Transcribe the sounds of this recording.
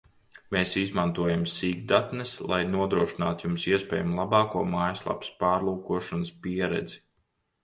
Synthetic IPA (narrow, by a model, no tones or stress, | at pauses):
meːsizmant̪uɔjamsiːɡd̪at̪nɛslˠa̰jnuɔd̪ɾuɔʃinaːt̪jumsiɛspʲɛ̰ːjamlˠabɑːkuɔmaːjslˠa̰pspaːɾlˠuːkuɔʃanspiɛɾɛ̰d̪zi̥